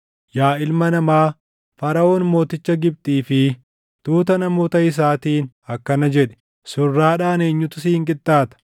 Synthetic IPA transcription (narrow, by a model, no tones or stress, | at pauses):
jaːɪlmɐnɐmaː | fɐɾɐoːnmo̞ːt̪ɪt͡ʃːɐɡɪb̚t̪ʼiːfɪ | t̪uːt̪ɐnɐmo̞ːt̪ɐɪs̬aːt̪iːn | ɐkːɐnɐd͡ʒɛᶑɛ̥ | sʊrːaːᶑaːne̞ːɲːʊt̪ʊsiːŋkʼɪt̪ʼːaːt̪ɐ̥